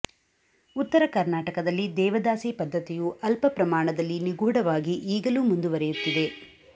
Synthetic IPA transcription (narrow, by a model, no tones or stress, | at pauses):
ut̪ːɐɾɐkɐɾnaːʈɐkɐd̪ɐlːid̪ɛːʋɐd̪aːsiːpɐd̪ʱːɐt̪ijuʔɐlpɐpɾɐmaːɳɐd̪ɐlːiniɡuːɽɐʋaːɡiʔiːɡɐluːmund̪uʋɐɾɛjut̪ːid̪e̞